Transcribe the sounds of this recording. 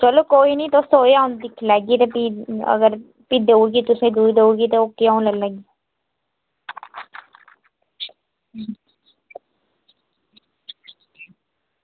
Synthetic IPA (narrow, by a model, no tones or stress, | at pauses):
t͡ʃəloːkoːiːnĩːt̪oːsoːaːʊ̃nd̪ɪkʰlɛːɡiːt̪epiə̰ɡəɾ | piːd̪oːɾɡiːt̪ʊsẽːd̪uːid̪euɾɡiːt̪eoːkːiaːũlələɡiː